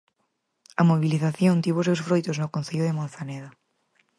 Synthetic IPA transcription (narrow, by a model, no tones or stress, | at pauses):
ɐmoβiliθaθjõnt̪iβoʊsewsfɾojt̪oznʊkõn̟θeʎʊðɪmõn̟θaneða